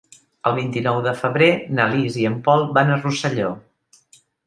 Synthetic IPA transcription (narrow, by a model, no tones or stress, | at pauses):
əlˠβ̞int̪inɔwðəfəβɾenəliziəmpɔlˠbanərusəʎo